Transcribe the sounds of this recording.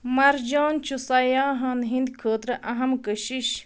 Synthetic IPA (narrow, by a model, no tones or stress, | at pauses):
mɐɾd͡ʒoːnt͡ʃʰusɐjaːɦɐːnɦind̪̚kʰoːt̪ɾɐʔɐɦɐmkəɕiɕ